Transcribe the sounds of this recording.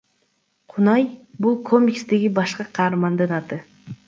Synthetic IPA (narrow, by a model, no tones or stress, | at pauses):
qʰʊnɑjbulˠkʰo̞mʲikst̪e̞ɡʲibɑʃqɑqʰɑːɾmɑnd̪ɯnɑt̪ɯ